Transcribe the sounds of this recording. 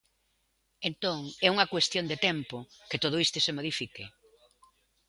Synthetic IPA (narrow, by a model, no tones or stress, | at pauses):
ent̪oŋɛuŋɐkwest̪jond̪et̪ɛmpʊkɪt̪oð̞oist̪esemoð̞ifike